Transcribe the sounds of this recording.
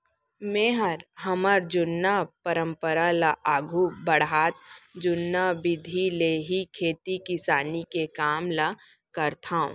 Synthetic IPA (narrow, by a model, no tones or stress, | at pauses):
mẽːɦəɾɦɐməɾd͡ʒʊnːapəɾə̃mpəɾalaʔaːɡʱubɐɽɦaːt̪̚d͡ʒʊnːabɪd̪ʱileːɦikʰeːt̪ikɪsaːnikekaːmla | kɐɾt̪ʰaṵ̃ː